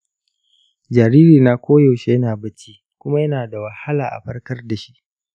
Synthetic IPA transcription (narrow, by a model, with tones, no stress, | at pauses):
d͡ʒaː˨ɾiː˦ɾiː˨naː˦kʷoː˦ja˨wʃe˦jɐ˦naː˨bɐ˦t͡ʃiː˦ | kʷʊ˦ma˦jɐ˦naː˨da˨wɐ˨ha˦laː˨ʔa̰˨ɸɐ˦rkɐ˦rda˨ʃi˦ʔ